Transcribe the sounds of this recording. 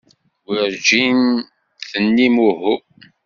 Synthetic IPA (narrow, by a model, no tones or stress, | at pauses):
wiɾd͡ʒin | θənːimuhu